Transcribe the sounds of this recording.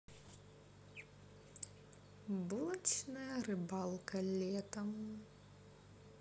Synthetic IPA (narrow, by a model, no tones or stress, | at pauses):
bulˠt͡ʃnɐjɐrɨbalˠkɐlʲɛt̪ɐm